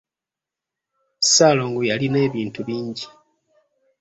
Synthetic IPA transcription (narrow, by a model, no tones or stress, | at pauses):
saːloːŋɡujaline̞ːβiːntuβiːɲɟi